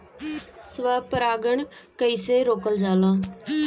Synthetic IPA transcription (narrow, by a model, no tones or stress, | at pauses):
sʋaːpəɾaːɡəɳkəiːseːɾoːkəld͡ʒaːlãː